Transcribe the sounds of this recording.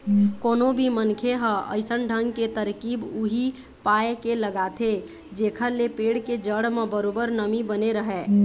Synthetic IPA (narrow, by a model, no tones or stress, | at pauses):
konobʱimənkʰeɦə̃ʔə̰ɪsənɖʱəŋɡket̪əɾkibuɦi | paekeləɡat̪ʰe | d͡ʒekʰəɾlepeɽked͡ʒəɽmẽbəɾobəɾnəmibəneɾəɦɛ